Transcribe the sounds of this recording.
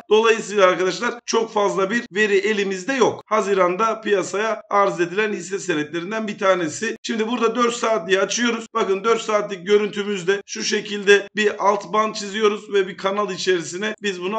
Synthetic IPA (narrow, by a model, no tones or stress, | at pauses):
d̪̥o̞lˠajɯsɯjlˠaːɾkad̪aʃlˠaɾt͡ʃʰo̞kfazlˠabiɾve̞ɾiʔe̞lʲimizd̪ɛjo̞khazɯɾand̪apijasajaaɾze̞d̪ilʲænhisɛseɾɛt̪lʲe̞ɾind̪ænbit̪ʰaːne̞sɪʃimd̪ibuɾd̪ad̪øɾt̪saːt̪lʲijat͡ʃʰɯjo̞ɾuz̥bakɯnd̪ø̞ɾt̪saːt̪lʲic̚ɟø̞ɾynt̪ʰymyzd̪ɛʃuʃe̞cʰilʲd̪ɛbiʔalˠt̪ʰbant͡ʃʰizijo̞ɾuzvɛbikʰanalˠit͡ʃʰe̞ɾisinɛbizbunu